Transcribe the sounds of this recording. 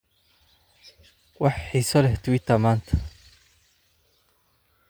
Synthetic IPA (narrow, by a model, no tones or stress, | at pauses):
wɑħħiːsɔlɛht̪wit̪amaːnt̪ʰɐ̥